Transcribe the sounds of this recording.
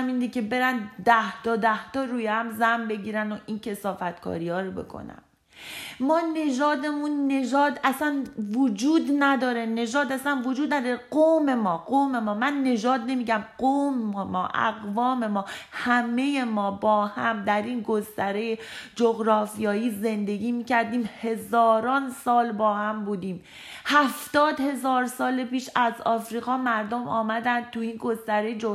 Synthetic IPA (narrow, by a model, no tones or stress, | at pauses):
miːnd̪icʰe̞be̞ɾænd̪æht̪ɒːd̪æht̪ɒːɾuːjehæmzæmbe̞ɟiːɾænd̪oʔincʰe̞sɒːfæt̪kʰɒ̰ːɾihɒːɾobe̞̰kʰo̰næ̰n | mɒːne̞d͡ʒɒːd̪e̞munːe̞d͡ʒɒːd̪æsænvod͡ʒuːd̪næd̪ɒːɾe̞ne̞d͡ʒɒːd̪æsænvod͡ʒuːd̪̚næd̪ɒːɾeɡome̞mɒːɢome̞mɒːmænːe̞d͡ʒɒːd̪ne̞miːɟæmɢommɒːʔæ̰ɣvɒːme̞mɒːhæme̞je̞mɒːbɒːhæmd̪æɾinɡost̪æɾejed͡ʒoɣɾɒːfijɒːjiːze̞nd̪e̞ɡiːmiːcʰæɾd̪iːmhe̞zɒːɾɒːnsɒːlbɒːhæmbuːd̪iːm | hæft̪ɒːd̪he̞zɒːɾsɒːlepiːʃæzɒːfɾiːɣɒːmæɾd̪omʔɒ̰ːmæd̪ænd̪̚t̪ʰuiːnɡo̞st̪æɾejd͡ʒo